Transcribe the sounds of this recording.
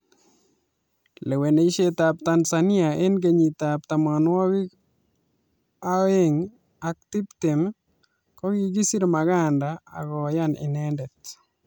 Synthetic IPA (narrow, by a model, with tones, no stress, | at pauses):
le˨we˨ne˨i˦ʃetap̚tansani˦ae˦nɡeɲi˨tap̚t̪a˨manwɔ˦wi˦k | aeŋ | ak̚ti˦pte˨m | kɔ˦ɣiɡi˦si˦ɾmaɣa˦nda̰ː˨ɣɔ˨ja˦nɪ̰˨nɛndɛ˨t̚